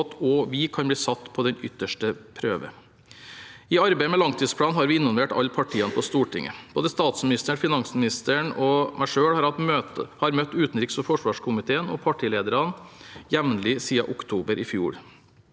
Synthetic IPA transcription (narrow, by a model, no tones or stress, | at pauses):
t̪ɔʋɪkʰɑnb̪iːsɑt̪ːpʰɔd̪ɛnʏt̪ːəʂʈəpʰɾøːʋə̰ | ɪɑɾbæɪəmɛlɑŋt̪ʰiːspʰlɑːnɦɑɾʋɪɪnːɔlʋeːʈɑ̰ʎːpʰɑʈʰiːənpʰɔst̪uːʈɪ̰ŋːə̰b̥oːd̪əst̪ɑːt̪smɪnɪst̪əɳfɪnɑŋsmɪnɪst̪əɳɔmʔæɪʂøːɽhɑɾhɑt̪øt̪hɑɾmœt̪ːʉːt̪n̩ɾɪksɔfɔʂʋɑːʂkʰʊmɪt̪ʰeːənɔ̰pʰɑʈʰiːleːd̪əɾɑnjɛʋnlɪsiːɑ̰ʔʊkt̪ʰuːbəɾʔɪfjṵːɽ